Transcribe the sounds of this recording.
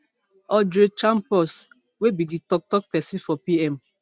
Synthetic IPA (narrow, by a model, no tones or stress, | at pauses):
ɔdet͡ʃãmpɔs | webiditɔk̚tɔk̚pɛsĩfɔpiɛm